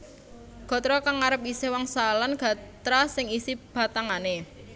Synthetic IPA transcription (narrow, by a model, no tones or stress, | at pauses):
ɡ̥ɔ̤t̪ɾɔkaŋaɾəp̚isewaŋsalanɡ̥a̤t̪ɾasɪŋisib̥a̤t̪aŋane